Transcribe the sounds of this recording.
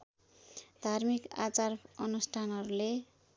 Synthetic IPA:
d̪ʱarmika̰t͡sarʌnusʈʰanɦʌɾule

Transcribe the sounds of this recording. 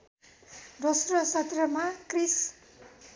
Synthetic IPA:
d̪osrʌsʌt̪rʌmakris

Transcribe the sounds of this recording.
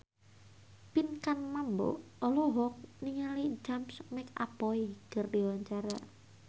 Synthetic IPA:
pinkanmambɔ̰ɔlɔɦɔk̚niŋalid͡ʒamsmɪka̰pɔiɡ̥ərdiwaɲt͡ʃaɾa̰

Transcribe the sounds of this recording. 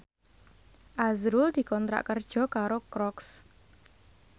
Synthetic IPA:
ʔazɾʊld̪̥i̤kɔnt̪ɾa̰ʔkərd̥ʒ̥ɔ̤kaɾokɾɔks

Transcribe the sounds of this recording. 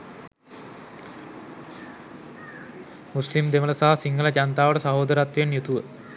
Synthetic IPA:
muslimd̪emələsaɦasiŋɡələd͡ʒant̪aːʋəʈəsaɦoːd̪əɾat̪ʋjenjut̪uʋə

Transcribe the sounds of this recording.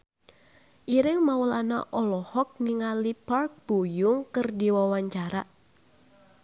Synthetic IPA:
ʔiɾɪŋmawlana̰ʔɔlɔhɔk̚niŋalipark̚b̥ujʊŋkərdiwawaɲt͡ʃaɾa

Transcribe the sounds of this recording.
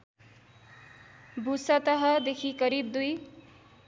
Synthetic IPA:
bʱusʌt̪ʌɦʌd̪ekʰikʌɾibd̪uj

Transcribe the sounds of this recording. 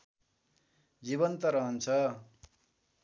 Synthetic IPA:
d͡ziβʌnt̪ʌɾʌɦʌnt͡sʰʌ

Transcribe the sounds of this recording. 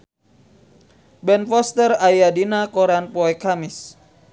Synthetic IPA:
bɛnfɔst̪ərajadinakɔɾanpɔɛkamɪs

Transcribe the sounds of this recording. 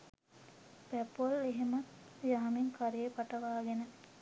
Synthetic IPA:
pæpoleɦemɐt̪jaɦmiŋkʰaɾejepaʈəʋaːɡenə

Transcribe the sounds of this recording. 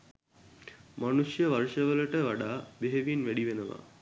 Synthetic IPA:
manuʃjəʋaɾʂəʋələʈəʋaɖaːbeɦeʋinʋæɽiʋenəʋa̰

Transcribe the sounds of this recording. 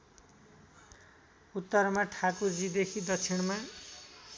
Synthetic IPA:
ut̪ːʌɾmaʈʰakod͡zid̪ekʰid̪ʌt͡sʰeɽ̃ma

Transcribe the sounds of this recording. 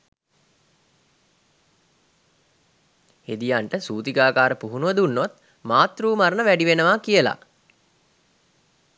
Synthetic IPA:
ed̪ijaɳʈəsuːt̪iɡaːkaːɾəpuɦunuʋəd̪unːot̪ | maːt̪ruːmaɾənəʋæɖiʋenəʋakijəla̰

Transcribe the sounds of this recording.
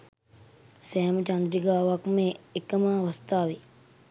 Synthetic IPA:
sɛːmət͡ʃand̪ɾiɡaːʋakmeekəmaːʋəst̪aːʋe

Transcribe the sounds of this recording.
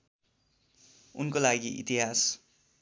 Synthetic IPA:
unkolaɡiʔḭt̪iɦas

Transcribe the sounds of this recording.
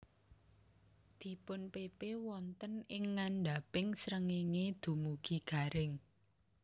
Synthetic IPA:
d̪̥i̤pʊnpepewɔnt̪ənɪŋːanɖa̤pɪŋsɾəŋeŋed̪̥ṳmuɡ̥i̤ɡ̥a̤ɾɪŋ

